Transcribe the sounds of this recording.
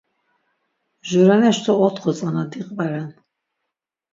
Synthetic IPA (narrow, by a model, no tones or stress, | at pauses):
ʒuɾanɛʃt̪ʰɔɔt̪ʰχʰɔt͡sʼanad̪iqʼvaɾan